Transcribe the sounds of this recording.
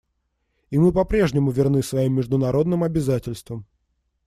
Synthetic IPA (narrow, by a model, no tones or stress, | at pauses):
imɨpɐpɾʲe̞ʐnʲɪmʊvʲɪrnɨsvɐimːʲɪʐd̪ʊnɐɾo̞d̪nɨmɐbʲɪzatʲɪlʲst̪vəm